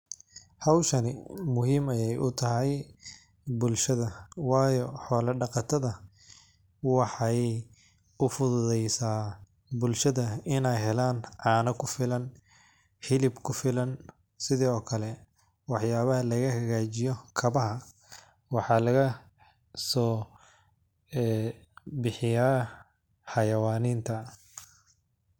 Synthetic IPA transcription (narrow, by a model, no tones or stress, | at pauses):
hɑwʃɐnɪmʊɦiːmɐjɛjʔʊt̪ʰɐɦɛj | bʊlʃɐðɐwɑːjɔħɔːlɐɖɑqɑt̪ʰɐðɐ | wɑħɑj | ʊfʊðʊðɛjsaː | bʊlʃɐðɐɪnɛjɦɛlaːnʕɑːnɐkʰʊfɪlɐn | ħɪlɪbkʰʊfɪlɐn | sɪðɛːɔːkʰɐlɛ | wɑħjaːβɐɦɐlɐɣɐhɐɣaːt͡ʃɪjɔkʰɐβɐɦɐ | wɑħɑːlɐɣɐ | sɔː | bɪħɪjaː | ħɑjɐwaːniːnt̪ʰɐ